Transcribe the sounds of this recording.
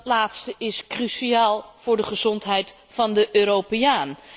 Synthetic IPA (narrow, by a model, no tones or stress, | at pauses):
tlaːtstəʔɪskrysiaːlˠv̥ʊːɹdəχəzɔntɦɛjt | fɑndəʔøːɾowpejaːn